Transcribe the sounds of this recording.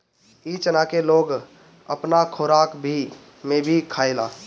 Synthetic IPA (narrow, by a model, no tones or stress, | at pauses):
it͡ʃənakeloːɡ | ə̰pnakʰoːɾaːkbʱi | mẽbʱikʰaːelaː